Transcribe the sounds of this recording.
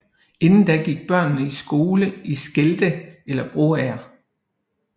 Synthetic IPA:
e̝nn̩d̥æɡ̥iɡ̥̚b̥ɶɐ̰nnəisɡ̥o̝ːləisɡ̥eld̥əelɐb̥ʁo̝̰æɐ

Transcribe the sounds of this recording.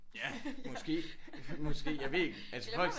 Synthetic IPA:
jæmɒ̽sɡ̥e̝̰ːmɒ̽sɡ̥e̝̰ːjɑɪʋe̝ɡ̥ælsfɒ̽l̰ɡ̥

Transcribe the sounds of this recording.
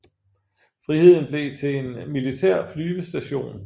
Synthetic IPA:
fʁihe̝ð̞̰ˠn̩b̥le̝t͡sʰe̝e̝nmilit͡sʰæɐ̰flyːʋəsd̥æɕo̝̰ːn

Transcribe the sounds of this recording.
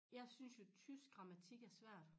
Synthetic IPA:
jɑ̈ɪsynsjo̝t͡sʰys̚ɡ̥ʁɑ̈mæt͡sʰiɡ̥æɐsʋæɐ̰d̥

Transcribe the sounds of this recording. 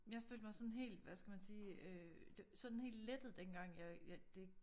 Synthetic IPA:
jɑ̈fø̰ːld̥mɑ̈ɪsɒ̽nɦe̝̰ːld̥ʋæsɡ̥æmænsiːød̥esɒ̽nnhe̝̰ːld̥led̥ð̩ˠd̥enɡ̥ɑ̈ŋ̰jɑjɑd̥e̝

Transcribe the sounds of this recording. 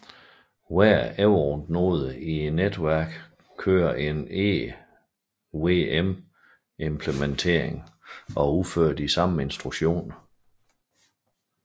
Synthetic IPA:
wæɐeʊʁd̥no̝ːð̞ˠəie̝nːed̥ʋæɐ̰ɡ̥ | kʰø̰ːɐʔe̝ne | weem | ʔempʰlement͡sʰe̝̰ɐ̰eŋɒ̽uføɐ̰d̥isɑ̈məe̝nsd̥ʁu̥ɕo̝̰ːn

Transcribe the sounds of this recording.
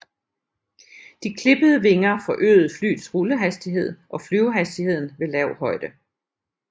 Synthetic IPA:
d̥ikʰle̝b̥əð̞ˠəʋe̝ŋɐfɒ̽ʔø̰ːð̩ˠfly̰ːd̥sʁuləɦæsd̥iɦe̝ð̞̰ˠʔɒ̽flyʊɦæsd̥ihe̝ð̞̰ˠn̩ʋe̝lɛʊ̰hɒ̽ɪd̥ə

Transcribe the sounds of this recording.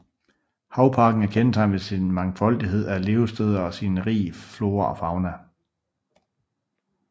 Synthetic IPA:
hɑ̈ʊpʰɑ̈ːɡ̥n̩æɐkʰensʰɑ̈ɪnʋe̝sinmɑ̈ŋfɒ̽l̰d̥iɦe̝ð̞̰ˠæle̝ːʊsd̥øːð̞ˠɐɒ̽sinʁḭːflo̝ːɐʔɒ̽fɑ̈ʊnæ

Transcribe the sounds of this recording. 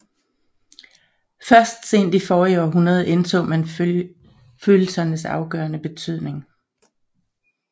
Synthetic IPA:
fɶɐsd̥se̝̰ːn̰d̥ifɒːjoɒ̰ːɦunɐð̞ˠʔent͡sʰo̰ːmæn | føːl̩sɐnəsɑ̈ʊɡ̥ɶːɐnəb̥e̝t͡sʰyð̰ˠne̝ŋ

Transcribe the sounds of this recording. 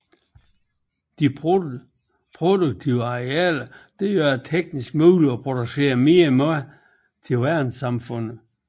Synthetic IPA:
d̥i | pʰʁod̥uɡ̥̚t͡sʰiʊəɑʁeɛ̰ːlɐd̥ejøɐt͡sʰeɡ̥̚nisɡ̥muːliɒpʰʁo̝d̥use̝̰ːɐme̝ːɐm | t͡sʰe̝lʋæɐnsɑ̈mfɔ̽n̰̩ˠ

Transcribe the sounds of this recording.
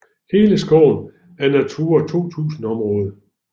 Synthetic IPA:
he̝ːləsɡ̥ɒʊ̰n | æɐnæt͡sʰuːɐt͡sʰo̝̰ːt͡sʰṵːsn̩ɒ̽mʁɔ̽ːð̞ˠ

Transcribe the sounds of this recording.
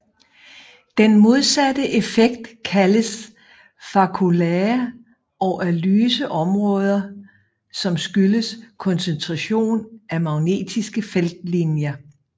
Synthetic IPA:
d̥enmo̝ð̞ˠsæd̥əʔe̝feɡ̥̚d̥kʰæləs | fɑ̈kʰuleɐ | ɒʊʔælyːsəʔɒ̽mʁɔ̽ːð̞ˠɐ | sɒ̽msɡ̥yləskʰɒ̽nsent͡sʰʁɑɕo̝̰ːnʔæmɑ̈ʊne̝̰ːd̥isɡ̥əfeld̥linjɐ

